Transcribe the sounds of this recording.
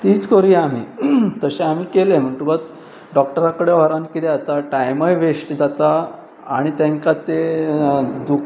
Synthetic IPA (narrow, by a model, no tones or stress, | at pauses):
t̪iːt͡skoɾiam̤ḭːt̪əɕẽamiːkelem̤əʈ̪uɡat̪ | ɖɔkʈəɾakəɽeʋɔɾankit̪eat̪aʈajməjʋeʂʈd͡zat̪a̰ː | ɽ̃it̪ẽŋkat̪e | d̪uk